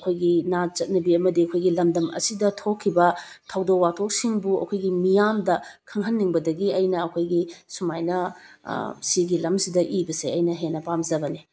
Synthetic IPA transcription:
ɐkʰojɡinat͡ʃɐt̚nɐbiɐmɐdiɐkʰojɡilɐmdɐmɐ̰sidɐtʰokʰːibɐ | tʰɐwdowatʰok̚siŋbuɐ̰kʰojɡimijamdɐkʰɐŋɦɐnːiŋbɐdɐɡiɐjnɐːkʰojɡisumajnɐ | siɡilɐmsidɐʔibɐseɐjnɐɦenːɐpamzɐbɐni

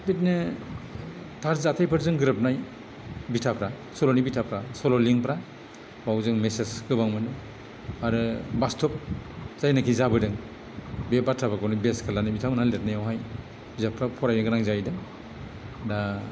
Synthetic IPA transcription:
bitnɯ | tʰaɾzatʰajpʰɯɾzɯŋɡɯɾɯp̚naj | bitʰapʰɾa | sɔlɔnibitʰapʰɾasɔlɔliŋpɾa | bawzɯŋmesesɡɯbaŋmɯnɯ | aɾɯbastʰɔp̚z̥ajnakʰizabɯdɯŋ | bebatʰabaɡawnibeskʰalanibitʰawnalet̚najawɦaj | zapʰɾapʰɔɾajnɯɡɯnaŋzajdɯŋ | da

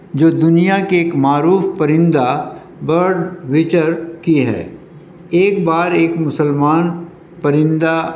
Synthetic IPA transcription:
d͡ʒoːd̪ʊnijakeeːkmaːɾuːfpəɾɪ̃nd̪a | bəɾɖwɪt͡ʃəɾkiɦɛ̰ː | eːkbaːɾeːkmʊsəlmaːn | pɐɾɪ̃nd̪a

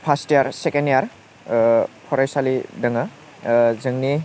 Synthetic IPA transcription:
pʰastijaɾsekenijaɾ | pʰɔɾajsalidɯŋa | zɯŋni

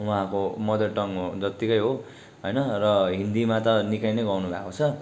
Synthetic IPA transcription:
wuɦãkomʌd̪ʌrʈʌŋɦod͡zʌt̪ikʌjɦo | ɦʌjnʌrʌɦind̪imat̪ʌnikajnʌjɡʌwnubʱa̰kot͡sʰʌ

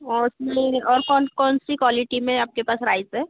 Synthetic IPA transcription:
ɔʊsmeɔːɾkɔnkɔːnsikwɔːlɪʈimẽaːp̚kepaːsɾaːɪzɦɛː

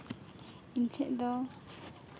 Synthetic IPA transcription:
intʰɛʔd̪ɔ

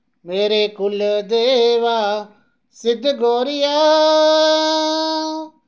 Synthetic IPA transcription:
meːɾeːkʊld̪eːʋaː | sɪd̪ʱɡoːɾɪjaː

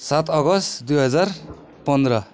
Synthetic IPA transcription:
sat̪ʌɡʌst̪d̪ujɦʌd͡zar | pʌnd̪ɾʌ

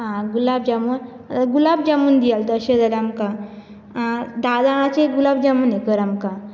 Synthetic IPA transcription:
ɦãɡulab̚d͡ʑamun | ɡulabd͡ʑamuːnd̪ijalt̪əəɕẽd͡zaleamka | ãd̪ad̪aɽ̃ãt͡ɕeɡulabd͡ʑamunekəɾamka

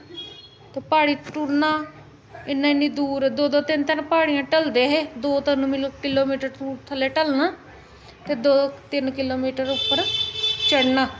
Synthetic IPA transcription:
t̪eːpaːɽiːʈuɾnaː | ɪnːãːɪnːĩːd̪uːɾd̪oːd̪oːt̪ɪnt̪ɪnpaːɽijãːʈəld̪eːɦeːd̪oːt̪ɪnmɪlkɪloːmiːʈəɾtuːɾt̪ʰəleːʈəlnaː | t̪eːd̪oːt̪ɪnkɪloːmiːʈəɾʊpːəɾt͡ʃəɽnaː

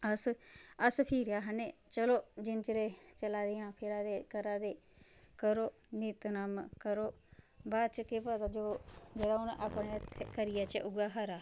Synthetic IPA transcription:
əsəspʰiːɾjaːɦəneːt͡ʃəloːd͡ʒɪnt͡ʃəɾeːt͡ʃəlaːd̪ɪjãːpʰɪɾaːd̪eːkəɾaːd̪eː | kəɾoː | niːt̪naːmkəɾoː | baːt͡ʃkeːpət̪aːd͡ʒoːd͡ʒeːɾaːʊnʔaːpɳeːt̪ʰekəɾɪjaːt͡ʃəʔʊɡaːɦəɾaː

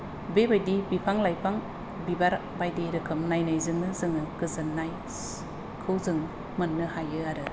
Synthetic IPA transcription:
bebajdibipʰaŋlajpʰaŋ | bibaɾ | bajdiɾɯkʰɯmnajnajzɯŋnɯzɯŋɯɡɯzɯnːaj | kʰɯwzɯŋ | mɯnːɯhajɯaɾɯ

